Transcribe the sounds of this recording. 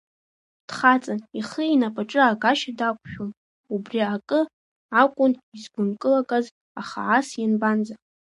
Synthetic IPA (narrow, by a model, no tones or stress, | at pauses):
d̥χat͡sʼaniχəinapʼaʈ͡ʂʼɨaɡaʃadakʷʰʼʃᶣom | ubriakʼɨ | akʷʼʊnizɡʷʊnkʼɨlakʼaz | aχa̰ʕasjanband͡za